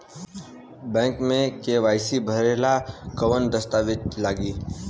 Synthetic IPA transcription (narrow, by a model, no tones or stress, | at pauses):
bɛ̃ːŋkmẽkeʋaːɪsibʱəɾeːlakəʋənd̪əst̪aːʋɪt̪laːɡiː